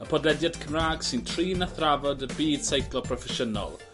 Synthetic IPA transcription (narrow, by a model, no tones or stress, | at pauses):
əpʰɔdlɛdjad̥kʰəmraːɡ̥sɪntʰriːnaθravɔdəbiːd̥sejkʰlˠɔpʰrɔfɛʃənɔ̰lˠ